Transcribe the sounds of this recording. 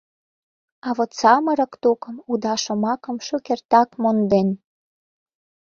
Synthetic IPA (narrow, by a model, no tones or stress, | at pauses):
ɑβot̪t͡sɑmə̆ɾɤ̆kt̪okə̆mud̪ɑʃə̆mɑkə̆mʃøkert̪ɑkmond̪en